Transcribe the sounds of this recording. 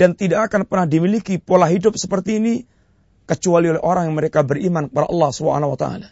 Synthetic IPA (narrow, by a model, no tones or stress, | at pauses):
dant̪idaʔkːkanpərnahdimilikipolaɦidʊp̚səpərt̪iːni | kət͡ʃualiolɛɦoɾaŋjaŋməɾekabərimankəpada̰ʔɑlːahsubəɦa̰nawat̪a̰ʔa̰la